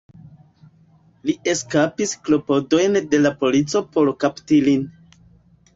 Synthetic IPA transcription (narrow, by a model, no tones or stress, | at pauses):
lie̞skapisklo̞po̞do̞jnde̞lapo̞lit͡so̞po̞ɾkaptilin